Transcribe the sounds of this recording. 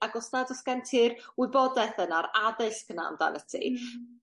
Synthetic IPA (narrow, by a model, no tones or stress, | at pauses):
aɡɔsnadəskantʰɪrwɪbɔdɛθənaɾaðɨɬkəna̰mda̰lətʰḭ